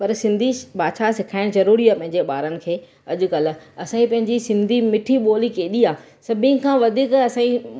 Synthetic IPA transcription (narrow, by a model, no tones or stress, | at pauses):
pɐɾsɪ̃nd̪ʱibaːd̪ʃasɪkʰaːɪɽ̃zɐɾuːɾiaːpɐ̃ɦɪ̃ɲ̆d͡ʑeɓaːɾənɪ̆kʰeː | ɐʄʊkɐlɐsãːĩpɐ̃ɦɪ̃ɲd͡ʑisɪ̃nd̪ʱimɪʈʰiɓoːlikeːɗiaː | sɐbʱĩkʰãːʋɐd̪ʱiːkɐsãːĩ